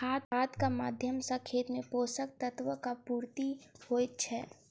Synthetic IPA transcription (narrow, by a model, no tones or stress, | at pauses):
aːt̪aːt̪kamaːd̪ʱjəmsakʰːeːt̪mẽpoːsək̚t̪ət̪ʋəkapuːɾt̪ihoːt͡ʃʰɛː